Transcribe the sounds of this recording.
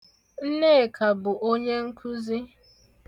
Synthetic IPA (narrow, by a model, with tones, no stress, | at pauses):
n̩˦ne˦˨kʰa˨bʊ˨ʔo˦ɲe˦ŋ̩˦kʰu˦zi˦